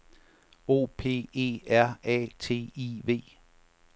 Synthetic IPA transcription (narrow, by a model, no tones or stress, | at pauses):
o̝̰ːpʰe̝̰ːe̝̰ːæɐ̰ɛ̰ːt͡sʰe̝̰ːiʋe̝̰ː